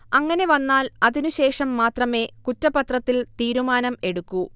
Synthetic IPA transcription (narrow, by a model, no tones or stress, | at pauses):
ɐŋːɐne̞ʋɐnːaːlɐðinuɕe̞ːʂɐmːaːt̪rɐme̞ːkutːɐpɐt̪rɐt̪ːilt̪iːɾumaːnɐme̞ɽukːu